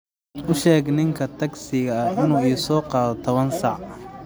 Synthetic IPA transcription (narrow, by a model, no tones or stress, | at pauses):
ʔʊʃɛːɡnɪŋkʰɐt̪ʰɐɡsɪɣɐɐɪnuːɪjʊsɔːqɑːðɔt̪ʰɐβɐnsɑʕ